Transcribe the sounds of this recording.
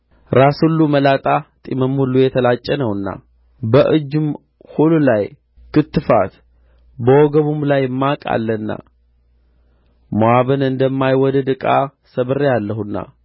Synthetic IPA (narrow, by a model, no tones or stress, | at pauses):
ɾashulːuməlat̪ʼat̪ʼiməmhulːujɛt̪ʰəlat͡ʃʼːɛnəwɨnːa̰ | bəʔɨd͡ʒːɨm | hululaj | kɨt̪ːɨfa̰t̪ | bəwɔɡəβumlajmːakʼa̰lːənːa̰ | moaβənɨnd̪əmːajwɔd̪əd̪ɨkʼa | səβɨɾejalːəhunːa̰